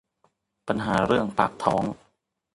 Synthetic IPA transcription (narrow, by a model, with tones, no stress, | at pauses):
pa˧nɦaː˩˦ɾɯ˥˩əŋpa̰ː˨˩k̚t̪ʰɔ̰ː˩˦ŋ